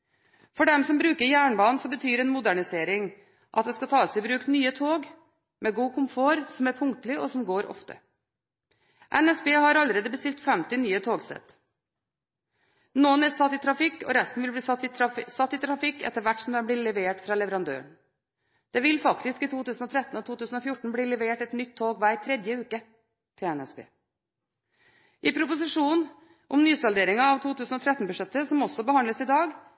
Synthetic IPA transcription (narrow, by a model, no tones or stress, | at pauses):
fɔɖɛmsɔmbɾʉːkəɾjæːɳbɑːnn̩sɔbət̪ʰyːɾɛnmʊd̪æɳɪseːɾɪŋ | ʔɑt̪d̪ɛskɑt̪ʰɑːsɛɪbɾʉːkt̪nyːət̪ʰoːɡ | mɛɡuːkʰʊmfoːɾsɔmæɾpʰʊŋk̚t̪lɪʔɔsɔmɡoːɾɔ̰ft̪ə̰ | ʔɛnɛsbeːhɑɾɑlɾeːd̪əbəst̪ɪlt̪fɛmt̪ɪnyːət̪ʰoːɡsɛ̰t̪ | noːənæsɑt̪ːɪt̪ʰɾɑfɪkːɔ̰ɾɛst̪n̩ʋɪlbliːɪsɑt̪ːɪt̪ʰɾɑfɪkːɛ̰t̪ːəɾʋæʈːsɔmd̪ɛnb̪ilɛʋeːʈfɾɑlɛʋəɾɑnd̪ø̰ːɳ | d̪̥ɛʋɪlfɑkt̪ɪskiːt̪ʰuːt̪ʉːsn̩ɔt̪ʰɾɛt̪ːn̩ɔt̪ʰuːt̪ʉːsn̩ɔfjʊʈːɳ̩bliːlɛʋeːʈɛt̪nʏt̪ʰːoːɡʋæɪt̪ʰɾɛd̪jəʉːkə | t̪ʰɪlɛnɛspʰḛː | ʔɪpʰɾʊpʊsɪʂuːn | ʔɔmnyːsɑld̪eːɾɪŋɑɑʋt̪ʰuːt̪ʰʉːsnɔt̪ʰɾɛt̪nbʉʂɛt̪ːəsɔmɔsɔbəhɑnləsɪd̪ɑːɡ